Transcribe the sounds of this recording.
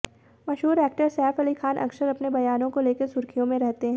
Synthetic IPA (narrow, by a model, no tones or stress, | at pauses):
mɐʃɦuːɾɛːk̚ʈəɾsɛːfɐlikʰaːnʔɐ̰kʃəɾɐpnebɐjaːnõkoleːkesʊɾkʰijõmẽɾɛɦt̪eɦɛ̃ː